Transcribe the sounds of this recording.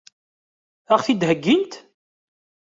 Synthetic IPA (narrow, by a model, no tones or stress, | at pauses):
æχθid̪ɦəɡːint̪